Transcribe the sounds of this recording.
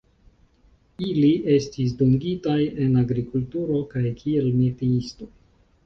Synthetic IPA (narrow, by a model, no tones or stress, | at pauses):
iliʔe̞stis̬duŋɡitaje̞naɡɾikultuɾo̞kajkʰie̞lmetiisto̞